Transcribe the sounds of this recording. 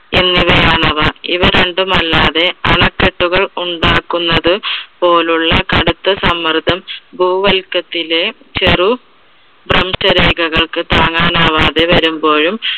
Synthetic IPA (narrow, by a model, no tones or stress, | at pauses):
enːiʋɐjaːɳɐʋɐḭʋɐɾe̞ɳɖumɐlːaːðe̞ɐɳɐkːeʈːuɣɐɭuɳɖaːkːunːɐðɨpo̞ːluɭːɐkɐɽut̪ːɐsɐmːɐrd̪ʱɐmbʱuːʋɐlkːɐt̪ːile̞ | t͡ɕeru | brɐmsɐɾeːɡɐɣɐɭkɨt̪aːŋaːnaːʋaːðe̞ʋɐɾumbo̞ːɻum